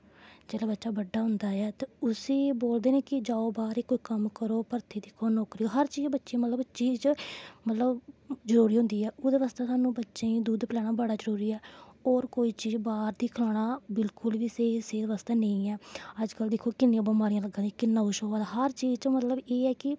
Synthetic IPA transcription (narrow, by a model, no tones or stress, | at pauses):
d͡ʒɛːlɛːbətːʃaːbəɖːaːɦʊnd̪aːɛːt̪eːʊseːboːld̪eːnẽːkɪd͡ʒaːoːbaːɾeːkoːiːkəmkəɾoːpəɾt̪ʰeːd̪ɪkʰoːnoːkɾiːoɦəɾt͡ʃiːd͡ʒbətːʃẽːmət̪ləbt͡ʃiːd͡ʒmət̪ləbd͡ʒəɾuːɾiːɦʊ̃nd̪iːɛːʔoːd̪eːʋaːst̪aːsaːnũːbətːʃẽːĩːd̪uːd̪plɛːɽ̃aːbəɽaːzəɾuːɾiːɛːɔːɾkoːiːt͡ʃiːd͡ʒbaːɾd̪iːkʰlaːɽaːbɪlkʊlʋiːseːseːd̪ʋaːst̪aːnə̃ĩːɛːəd͡ʒkəld̪ɪkʰːoːkɪnːeãːbəmaːɾijãːləɡãːd̪ikɪnːãːʊʃoːaːd̪aːɦəɾt͡ʃiːd͡ʒt͡ʃõːmət̪ləbeːɛːkɪ